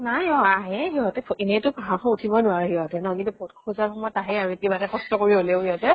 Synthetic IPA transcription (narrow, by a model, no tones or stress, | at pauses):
najɔaɦɛɦiɦɔtɛenetʊbʱaŋxɔutʰibɔnʊaɹɛɦiɦɔtɛnɔkĩntupɔtkʰuzaɹxɔmɔjtaɦɛjaɹuetibatɛkɔstɔkoɹiɦoleʊɦiɦɔtɛ